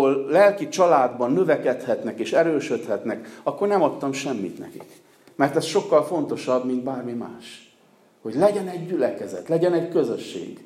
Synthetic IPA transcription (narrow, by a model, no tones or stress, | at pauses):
ollɛlkit͡ʃɒlaːd̪bɒnːøvɛkɛt̪hɛt̪nɛkeːʃɛɾøːʃøt̪hɛt̪nɛkɒkːo̞rnɛmɒt̪ːɒmʃɛmːḭt̪nɛ̰kḭk | mɛrt̪ɛsʃo̞kːɒlfo̞nt̪o̞ʃɒbmind̪baːrmima̰ːʃ | ho̞ɟlɛɟɛnɛɟːylɛkɛzɛ̰t̪lɛɟɛnɛɟkøzøʃːḛːɡ